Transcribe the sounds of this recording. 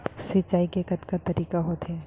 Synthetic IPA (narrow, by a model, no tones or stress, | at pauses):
sɪt͡ʃːaːikekɐt̪kat̪ɐɾiːkaɦoːt̪ɦɛː